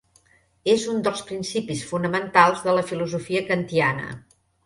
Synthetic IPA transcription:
ezund̪əlˠspɾinsipisfunəmənt̪alˠzðələfiluzufiəkənt̪ianə̰

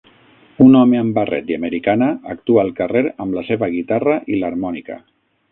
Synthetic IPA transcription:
unɔmeəmbarɛ̰t̪iaməɾikanəːk̚t̪uaːlˠkəreɾəmləseβəɣ̞it̪arəʔiləɾmɔnikə̰

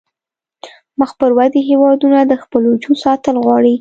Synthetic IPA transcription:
məxpəɾwad̪iɦewɑd̪unad̪əxpəlod͡ʒusɑt̪əlɣwɑɽi

